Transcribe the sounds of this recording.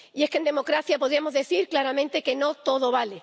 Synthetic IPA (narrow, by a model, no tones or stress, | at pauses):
ie̞skend̪e̞mo̞kɾaθjapo̞ð̞ɾiamo̞zðe̞θiɾklaɾamẽnt̪e̞ke̞no̞t̪o̞ðo̞βale